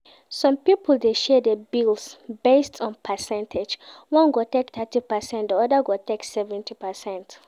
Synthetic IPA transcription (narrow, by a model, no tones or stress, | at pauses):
sɔ̃mpipʰəl̩ˠdeʃɛdebilsbestʰɔ̃npʰəsɛ̃ntʰed͡ʒwɔ̃nɡotɛkθɛtipəsɛ̃ntdəɔdəɡotɛksɛvɛ̃ntipəsɛ̃nt